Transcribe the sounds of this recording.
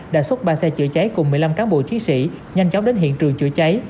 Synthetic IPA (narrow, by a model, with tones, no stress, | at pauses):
ɗa̰ː˧˥swə˦˥t̚ɓaː˧sɛ˧t͡ɕɨ̰˧˨ət͡ɕa˨˦jkʊ˨˩ŋ͡mːɨ˨˩əjla˧mkaː˨˦nɓo̰˧˨t͡ɕi˨˦ənsḭ˧˨ | ɲa˧jŋ̟t͡ɕɔ˨˦ŋ͡mɗe˨˦nɦḭ˧˨ənt͡ɕɨ˨˩əŋt͡ɕɨ̰˧ət͡ɕa˨˦j